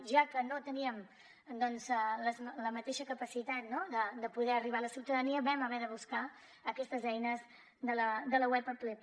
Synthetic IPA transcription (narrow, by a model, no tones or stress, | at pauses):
ʒakənot̪əniəm | d̪ɔnzələzləmət̪eʃəkəpəsit̪at̪noðəd̪əpuðɛəriβ̞aləsiwt̪əðəniəβɛməβɛðəβuska | əkɛst̪əzɛjnəz | d̪ələd̪ələwɛpəple